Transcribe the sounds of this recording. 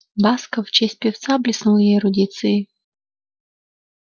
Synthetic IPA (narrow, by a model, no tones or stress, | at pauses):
baskəft͡ɕesʲt̚ʲpʲɪft̪sablʲɪsnulˠjeɾʊdʲit̪sɨ